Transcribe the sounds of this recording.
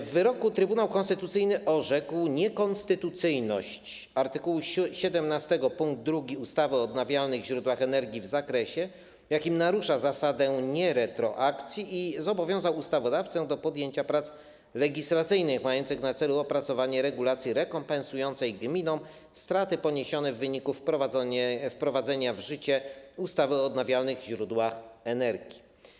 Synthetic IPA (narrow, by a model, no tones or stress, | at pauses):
vːɘɾɔkut̪ɾɘbunawkɔnst̪ɘt̪ut̪sɘjnɘʔɔʐɛkwɲɛkɔnst̪ɘt̪ut̪sɘjnɔɕt͡ɕ | aɾt̪ɘkuwuɕɛd̪ɛmnast̪ɛɡɔpuŋɡ̚d̪ːɾuɡʲiust̪avɘɔːd̪navʲjalnɘɣvʑɾud̪waxɛnɛɾɡʲivzakɾɛɕɛ | vjakʲimnaɾuʂazasad̪ɛɲɛɾɛt̪ɾɔ̰ʔakt̪sʲjiizɔbɔvʲjɔ̃w̃zawust̪avɔd̪aft̪sɛ̃d̪ɔpɔd̪jeɲt͡ɕapɾat̪s | lɛɡʲislat̪sɘjnɘxmajɔnt̪sɘxnat̪sɛluɔpɾat̪sɔvaɲɛɾɛɡulat̪sʲjiɾɛkɔmpɛ̃ñsujɔnt̪sɛjɡmʲinɔ̃w̃ | st̪ɾat̪ɘpɔɲeɕɔnɛvːɘɲikufpɾɔ | fpɾɔvad̪zɛɲavʐɘt͡ɕɛust̪avɘɔːd̪navʲjalnɘɣʑɾud̪waxɛnɛɾɡʲi